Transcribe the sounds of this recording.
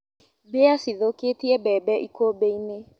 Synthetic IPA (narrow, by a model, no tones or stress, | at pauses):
beasiðoketiɛbɛːbɛʔikʰobeine